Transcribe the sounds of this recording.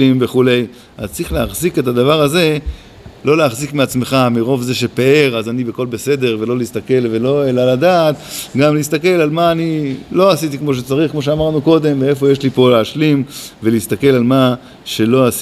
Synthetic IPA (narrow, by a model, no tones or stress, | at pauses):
imbe̞χule̞j | a̰zt͡sʁiχleaχzike̞tad̪avaʁaze̞ | lo̞leaχzikmeat͡sme̞χamiʁo̞vze̞ʃepeeʁazanibeko̞lbese̞d̪e̞ʁve̞lo̞list̪ake̞lve̞lo̞e̞laladaːt̪ɡamlis̬t̪ake̞lalmaːnilo̞asit̪ikmo̞ʃ̬e̞t͡saʁiχkmo̞ʃ̬eamaʁnuko̞d̪e̞mveefo̞jeʃlipo̞leaʃlimvelist̪ake̞lalma | ʃe̞lo̞as